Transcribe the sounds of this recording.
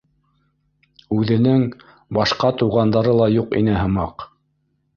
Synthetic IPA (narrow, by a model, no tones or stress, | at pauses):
ʉðɘ̆nɘŋ | bɑʃqɑt̪uʁɑnd̪ɑɾɤlˠɑjuqḭnɘɦɤ̆mɑq